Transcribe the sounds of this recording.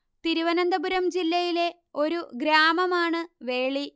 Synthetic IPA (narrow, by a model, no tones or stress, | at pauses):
t̪iɾuʋɐnɐnd̪ɐbuɾɐmd͡ʑilːɐjile̞ | o̞ɾuɡɾaːmɐmaːɳɨʋe̞ːɭi